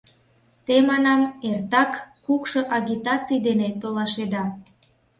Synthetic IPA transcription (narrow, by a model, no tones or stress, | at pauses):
t̪emɑnɑmert̪ɑkː | ukʃoʔɑɡʲit̪ɑt͡sijd̪enet̪olɑʃed̪ɑ